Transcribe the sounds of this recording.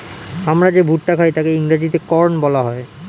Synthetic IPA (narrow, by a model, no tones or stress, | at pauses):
amɾad͡ʑebʱuʈʈakʰajt̪akeiŋɾad͡ʑit̪ekɔɾnbɔlaɦɔe